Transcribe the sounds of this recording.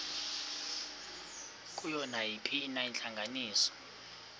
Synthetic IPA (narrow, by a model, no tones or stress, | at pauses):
kʼujɔnajipʰiːnaɛnɬaŋɡʱaniːsɔ̥